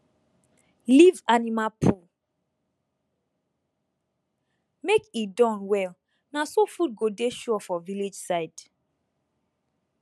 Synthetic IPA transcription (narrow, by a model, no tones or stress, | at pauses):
livanimapʰu | mekidɔ̃nwɛl | nasofut̚ɡodeʃuɔfɔvilid͡ʒsaɪd̥